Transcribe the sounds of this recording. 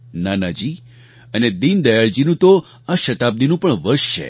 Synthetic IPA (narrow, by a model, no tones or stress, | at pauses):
nanad͡ʒi | əned̪ind̪əjaɭd͡ʒinũt̪o | aʃət̪ab̚d̪inũpəɳʋəɾʃt͡ʃʰḛ